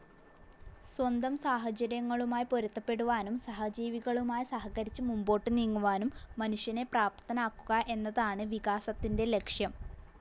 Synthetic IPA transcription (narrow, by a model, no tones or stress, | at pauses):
swɐnd̪ɐmsaːɦɐt͡ɕɐɾjɐŋːɐɭumaːjipo̞ɾɐt̪ːɐpːe̞ɽuʋaːnumsɐɦɐd͡ʑiːʋiɣɐɭumaːjisɐhɐkɐɾit͡ɕːɨmumbo̞ːʈːɨniːŋːuʋaːnumːɐnuʂjɐne̞praːp̚t̪ʰɐnaːkːuɣɐʔe̞nːɐðaːɳɨʋiɣaːsɐt̪ːinde̞le̞kʂjɐm